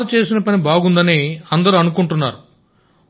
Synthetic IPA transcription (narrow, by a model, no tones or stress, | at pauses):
ɐt͡ʃe̞ːsinɐpɐnibaːɡund̪ɐniɐnd̪ɐɾuɐnukuɳʈunːaːɾu